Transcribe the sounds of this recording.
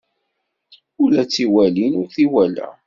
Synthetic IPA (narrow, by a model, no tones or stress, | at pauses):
ulæt͡sːiwælinʊɾθiwælæ̰